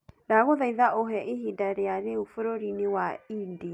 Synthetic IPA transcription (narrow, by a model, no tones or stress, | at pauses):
naɣoðaiðaʔoɦɛʔeɦidaɾeaɾeufoɾoɾinewaindia